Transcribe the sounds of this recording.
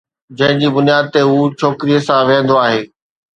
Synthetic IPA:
d͡ʑɐ̃ɦɪ̃d͡ʑiːbʊnjaːd̪̚t̪eɦuːt͡ɕʰoːkɪɾijəsãʋẽːə̃n̆d̪oaːɦeː

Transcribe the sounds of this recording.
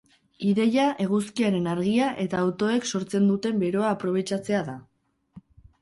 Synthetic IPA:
iðe̞jaʔe̞ɣ̞uskiaɾe̞naɾɣiaʔe̞t̪aːwt̪o̞e̞kso̞ɾt͡se̞nd̪ut̪e̞mbe̞ɾo̞aːpɾo̞β̞e̞t͡ʃat͡se̞aða

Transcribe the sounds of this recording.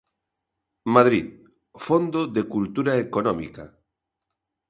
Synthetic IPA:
maðɾið | fond̪oðekult̪uɾaekonɔmḭka

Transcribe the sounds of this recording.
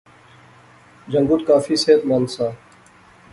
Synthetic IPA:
d͡ʒəŋɡʊt̪̚kaːfiːseːt̪maːnsaː

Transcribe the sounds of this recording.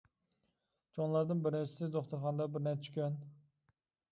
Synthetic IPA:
d͡ʒonlˠɑɾd̪ɨnbɪɾnɛt͡ʃʰɪd̪ɪd̪oχt̪uɾχɑnd̪ɑbɪɾnɛt͡ʃʰy̥kʲøn

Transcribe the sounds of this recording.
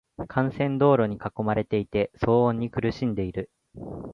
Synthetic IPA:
kʰãɰ̃sẽ̞nd̪o̞ːɾo̞ɲ̟ikako̞maɾe̞t̪e̞it̪e̞so̞ːõɲ̟ːikɯ̟ɾɯ̟ɕĩnd̪e̞iɾɯ̟

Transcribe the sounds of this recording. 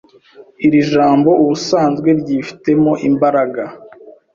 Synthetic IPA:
iɾiʒaːmbo̞ʔuβusaːnzɡwe̞ɾɟiːfi̥te̞mo̞ʔimbaɾaɡa

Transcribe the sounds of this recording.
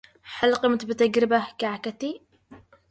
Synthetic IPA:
ħalqəmt̪bt̪aɡɾɪbahkaʕkat̪i

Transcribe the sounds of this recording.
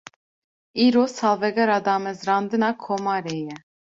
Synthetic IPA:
iːɾosɑlˠvɛɡɛɾad̪ɑːmɛzɾɑnd̪ɨnɑkʰomɑɾeːjɛ

